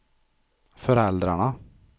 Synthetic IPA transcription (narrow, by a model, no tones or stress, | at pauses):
fɔɾɛld̪ɾæɳə